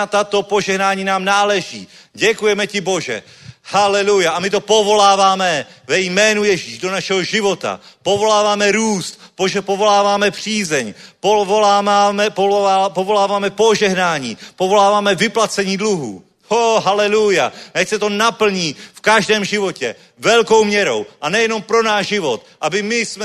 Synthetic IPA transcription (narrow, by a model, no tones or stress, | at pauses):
t̪at̪o̞poʒɛɦnaːɲiːnaːmnaːlɛʒḭː | ɟɛkujɛmɛcɪbo̞ʒɛ̰ | halɛlujaʔamɪt̪o̞po̞vo̞laːvaːmɛvɛjmɛːnujɛʒiːʒdo̞naʃɛɦoʒɪvo̞t̪a̰po̞vo̞laːvaːmɛɾuːst̪poʒɛpovo̞laːvaːmɛpr̝̥iːzɛɲpoaamɛpːpovo̞laːvaːmɛpo̞ʒɛɦnaːɲḭːpo̞vo̞laːvaːmɛvɪplat͡sɛɲiːdluɦṵː | oɦalɛlujanɛcsɛt̪o̞napl̩ɲiːfkaʒdɛːmʒɪvo̞cɛ̰ | vɛlko̞wmɲɛɾo̞̰wʔanɛjɛno̞mpɾo̞naːʒʒɪvo̞t̪ʔabɪmɪsmɛ